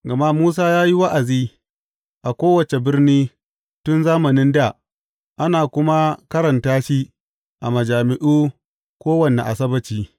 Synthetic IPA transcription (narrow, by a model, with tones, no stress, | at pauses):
ɡɐ˨ma˦ʔmuː˦s̬aː˦jaː˦ji˦wa˦ʔa˨ziː˦ | ʔa˨kʷoː˦wɐ˨t͡ʃe˨bɪ˦rniː˦ | tʊ˦nzaː˦mɐ˨nɪ˦nda˦˨ | ʔa˦naː˨kʷʊ˦ma˦kɐ˦ɾɐ˨ntaː˦ʃiː˦ | ʔa˨mɐ˨d͡ʒaː˨mɪ˦ʔuː˦ | kʷoː˦wɐ˨nḛ˨ʔa˨s̬ɐ˦bɐ˨t͡ʃiː˦